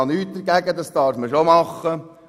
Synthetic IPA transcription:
ɑnyːt̚d̥̪əɾɡæɡəd̪ɑsd̥̪ɑːɾfməʃomɑχːə

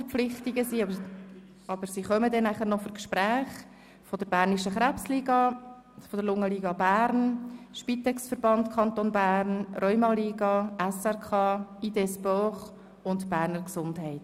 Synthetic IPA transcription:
əɾp͡fflɪχtiɡəsi | ɑb̥əɾsiːχœmədɛnːæχəɾnɔfɔkʃpɾæːχ | fɔd̥əɾbæːɾniʃəχɾæpsliːɡɑ | fɔd̥əɾlʊŋːəliːɡɑbæːɾnʃpit̪ɛksfəɾbɑntkʰɑnt̪onbæːɾnrœʏmɑliːɡɑʔɛsɛɾkʰɑːiːdɛsbɔχ | ʊntb̥æːɾnəɾksʊndhɛɪt

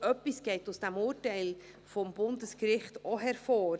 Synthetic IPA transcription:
œpːisɡ̥ɛɪtʊsd̥ɛmʊːɾtɛɪl | fɔmbʊndəskɾɪχtɔɦɛɾfoː

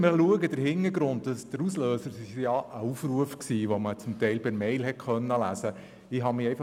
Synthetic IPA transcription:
məluəɡəd̥̪əɾhɪnːəɾɡɾʊnt̚dɑsd̥əɾusløːsəɾsɪʃjɑəufɾuəfksiːʋomət͡sʊmt̪ɛɪlpɪɾmɛɪlɦɛtχœnːəlæ̰sə | ɪɦɑmɪɛɪfɑ

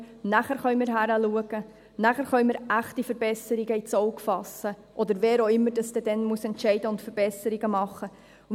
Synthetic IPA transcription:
næχæɾχœɥmɪɾɦæɾəluəɡ̥ə | næχæɾχœʏmɪɾʔæχtifəɾbɛsəɾiɡəit͡sɔwkfɑsːə | ʔɔd̪əɾveːɾoɪmːəɾd̥ɑsd̥̪ɛd̥ɛnmuəsɛntʃɛɪdəʊntfəɾb̥ɛsəɾiɡəmɑχːə

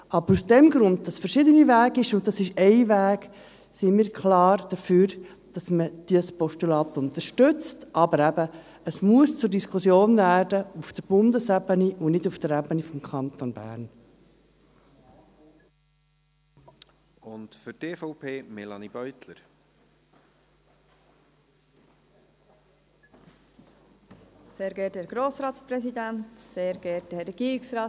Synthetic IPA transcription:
ɑbəɾusd̥ɛmɡɾʊnd̥̪̚d̥ɑsfəɾʃɪd̪ənivæːɡɪʃʊnt̪̚tɑsɪʃɛɪʋæːɡ | simiːɾkʰχlɑːrd̪̥əfyːɾ | d̥ɑsməd̪̥ispɔʃtulɑːt̪ʊnt̪əɾʃtʏt͡stʔɑbəɾæbə | əsmuəst͡sʊɾdiskʰʊsjoːnvæːrdəufd̥̪əb̥ʊnd̪əsæbəniʊnɪduft̪əɾæbənifɔmkʰɑnt̪onbæ̰ːɾn | ʊntfʏɾteːfɔʊpʰeːmɛlɑnib̥œʏt̪ləɾ | seːɾɡɛːthɛɡ̥ɾoːsɾɑːt̪t͡spɾɛsid̪æntseːɾɡ̥ɛːthɛɾɛɡ̥iːɾɪksɾɑː

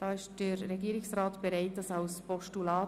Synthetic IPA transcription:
d̥ɑːɪʃd̥əɾːɛɡiːɪksraːtb̥ɛɾaɪt̚d̥ɑsɑʊspɔʃtulɑː

